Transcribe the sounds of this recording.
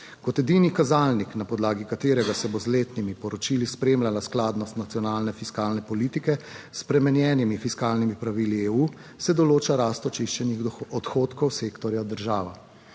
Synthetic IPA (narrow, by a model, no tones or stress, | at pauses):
kɔt̪ɛd̪iːnikazaːlniknapɔd̪laːɡikat̪eːɾɛɡasɛbozleːt̪nimipɔɾɔt͡ʃilispɾeːmlalasklaːd̪nɔst̪nat̪sijɔnaːlnɛfiskaːlnɛpɔliːt̪ikɛspɾɛmɛnjɛːnimifiskaːlnimipɾaʋiːlieuː | sɛd̪ɔloːt͡ʃaɾaːst̪ɔt͡ʃiʃt͡ʃɛnixɔt̪xoːt̪kɔwseːkt̪ɔɾjad̪əɾʒaːʋa